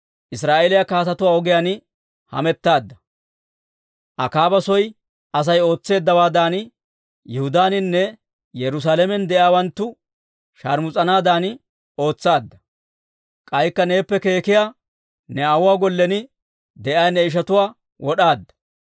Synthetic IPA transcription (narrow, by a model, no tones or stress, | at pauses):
ʔɪsɾaːʔelɪjakaːt̪ɐt̪ʊwaːɔɡɪjaːn | hɐ̰mɛt̪ːaːd̪ːɐ̥ | ʔɐkaːbɐsɔj | ʔɐs̬ɐjo̞ːt͡sːe̞ːd̪ːɐwaːd̪aːn | jɛhʊd̪aːnɪnːɛ | jɛɾʊs̬aːlɛmɛnd̪ɛʔjjaːwɐnt̪ːʊ | ʃa̰ɾmʊt͡sʼɐnaːd̪aːn | o̞ːt͡sːaːd̪ːɐ | kʼɐjkːɐne̞ːpːɛke̞ːkɪjaː | nɛɐwʊwaːɡɔlːɛnɪ | d̪ɛʔaːjnɛɪʃ̬ɐt̪ʊwaː | wʔɔɗaːd̪ːɐ̥